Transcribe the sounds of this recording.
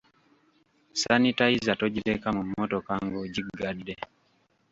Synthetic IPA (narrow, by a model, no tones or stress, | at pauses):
sanitaizatoɟiɾekamumːotokaŋɡoɟiɡadːe